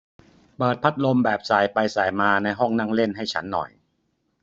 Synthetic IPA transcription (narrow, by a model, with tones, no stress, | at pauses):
pɤː˨˩t̪̚pʰa˦˥t̪̚lo˧mbɛː˨˩p̚saː˨˩jpa˧jsaː˨˩jmaː˧na˧jɦɔ˥˩ŋna˥˩ŋle˥˩nɦa˥˩jt͡ɕʰa˦˥nːɔ̰˨˩j